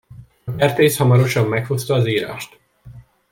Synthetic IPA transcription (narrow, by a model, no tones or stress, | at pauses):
ɒɛrt̪eːshɒmɒɾo̞ʃɒmːɛkho̞st̪ɒːziːɾa̰ːʃt̪